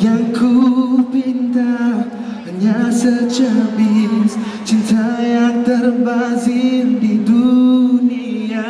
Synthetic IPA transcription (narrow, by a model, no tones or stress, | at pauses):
jaŋkʰupint̪a | əɲasət͡ʃabins | t͡ʃint̪ajaŋt̪ərbazindiduni | a